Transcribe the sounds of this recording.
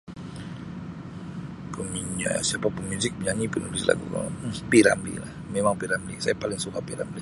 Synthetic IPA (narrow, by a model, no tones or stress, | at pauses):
komiɲa̰ja̰siapapəŋmuzɪk̚biɲaɲipənulisla̰ɡṵka̰piɾa̰mlḭlahmemaŋpiɾamblḭsajapalɪŋsukapiɾa̰mbli